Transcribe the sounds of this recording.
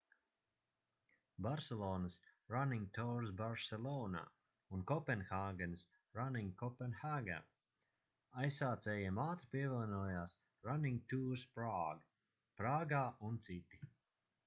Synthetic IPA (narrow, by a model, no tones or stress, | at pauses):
baɾselˠɔːnɨsɾaniŋɡt̪ɔːɾsbaɾsɛlˠɔːna̰ː | unkɔpɛnxaːɡɛns | ɾaniŋɡkɔpɛnxaɡa̰ː | ajsːaːt̪sɛːjimaːt̪ɾipʲiɛvɛlnɔːjaːs | ɾaniŋɡ̚t̪uːɾspɾaːɡ | pɾaːɡaːunt̪sit̪i